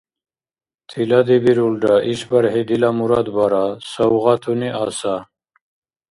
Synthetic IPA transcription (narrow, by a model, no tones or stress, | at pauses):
t̪ʰilad̪ibiɾulɖaʔiɕbɐɾɦed̪ilamuɾad̪baɾasɐwʁat̪ʰuniʔasa